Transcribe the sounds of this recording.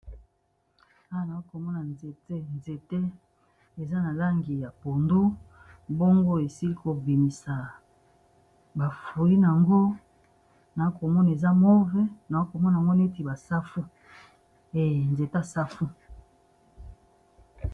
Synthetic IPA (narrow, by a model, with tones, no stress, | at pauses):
a˦a˨na˨o˦ko˨mɔ˦na˨nze˨te˦nze˨te˦ | e˨za˦na˨la˦ŋɡi˨ja˨po˨ndu˦ | bo˦ŋɡo˦e˨si˦li˦ko˨bi˨mi˨sa˨ | ba˨fu˨i˦n˨a˨ŋɡo˦ | na˨˦ko˨mɔ˦na˨e˨za˦mo˦vɛ˦na˨o˦ko˨mɔ˦na˨ŋɡo˦ne˦ti˨ba˨sa˦fu˦ | e˨nze˨ta˦sa˦fu˦